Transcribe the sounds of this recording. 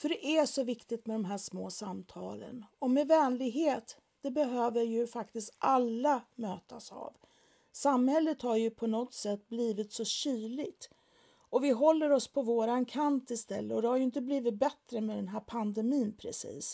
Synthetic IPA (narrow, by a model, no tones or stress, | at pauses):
fœɖɛʔæʂɔvɪkt̪ɪt̪mɛd̪ɔmɦæːʂmoːsamt̪ʰɑ̰ːlə̰nɔmɛvɛːnlɪɡɦeːt̪ | d̪̥ɛbɛɦøːvəɾjɵfakt̪ɪst̪alːamøːt̪asa̰v | samhɛlːət̪haɾjɵpʰɔnɔt̪sɛt̪ːbliːvɪt̪sɔɕyːɭɪɡt̪ | ɔvɪɦɔlːəɾɔspʰɔvoːɾankʰant̪ɪst̪ɛ̰lːəɔd̪ɛhaɾjɵɪnt̪əbliːvɪt̪̚bɛt̪ɾəmɛd̪ɛnɦæːɾpʰand̪ɛmiːnpʰɾɛ̰sḭːs